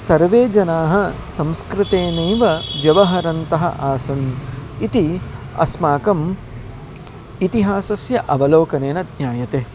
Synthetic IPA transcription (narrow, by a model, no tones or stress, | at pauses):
sɐɾʋeːd͡ʒɐnaːɦɐ̆sɐ̃mskɾɪt̪eːnɐjʋɐʋjɐʋɐɦɐɾɐnt̪ɐɦɐ̰ʔaːsɐnit̪iɐ̰smaːkɐm | it̪iɦaːsɐsjɐʔɐʋɐloːkɐneːnɐd̪njaːjɐt̪eː